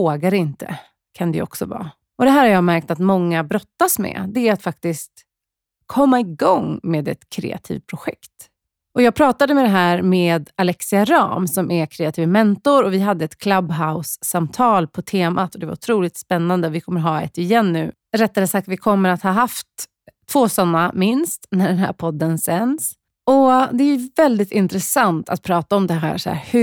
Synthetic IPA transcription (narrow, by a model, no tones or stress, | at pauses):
oːɡaɾɪnt̪ə̰ | kʰand̪ɛ̰ɔ̰ksɔ̰vɑ̰ː | ɔd̪ɛɦæːɾhaɾjɑːɡmæɾk̚t̪at̪mɔŋːabɾɔt̪ːasmɛ̰d̪ɛæɾat̪fak̚t̪ɪst̪ | kʰɔmːaɪɡɔŋmeːd̪ɛ̰t̪kʰɾɛ̰ːa̰t̪ʰḭːv̚pʰɾʊɧɛ̰kt̪ | ʔɔjɑːɡ̚pʰɾɑːt̪ad̪əmɛd̪ɛɦæːɾmeːd̪alɛksɪaɾɑ̰ːmsɔmɛkʰɾeːat̪ʰiːvəmɛnt̪ʊɾɔvɪɦad̪ːəɛt̪kʰlabɦaʊsːamt̪ʰɑːlpʰɔt̪ʰeːmʔat̪ɔd̪ɛva̰ɾʊt̪ʰɾuːlɪt̪spɛnːand̪əvɪkʰɔmːəɾɦɑːɛ̰t̪ɪjɛnːʉ̟ː | ɾɛt̪ːad̪əsak̚t̪vɪkʰɔmːəɾat̪hɑːɦaft̪ʰː | v̥oːsɔnːamɪnst̪næɖɛnɦæ̰ːɾpʰɔd̪ːənsɛns | ɔd̪ɛæjɵvɛld̪ɪt̪ɪnt̪ɾɛsant̪ʰa̰t̪̚pʰɾɑːt̪aɔmd̪ɛɦæ̰ːsæ̰ɾhɵ